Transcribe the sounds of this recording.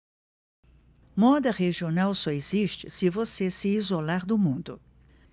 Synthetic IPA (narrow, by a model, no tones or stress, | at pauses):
mɔd̪ɐʁeʒionawsɔeziʃt͡ʃɪsɪvosesɪizolaɾd̪ʊmũnd̪ʊ̰